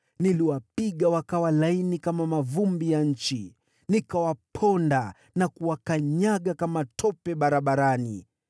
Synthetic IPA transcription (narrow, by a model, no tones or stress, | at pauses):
niliwapiɠawakawalainikamamavumbijaɲ̩t͡ʃi | nikawapʰɔnda | nakuwakaɲaɠakamatʰɔpɛɓaɾaɓaɾanḭ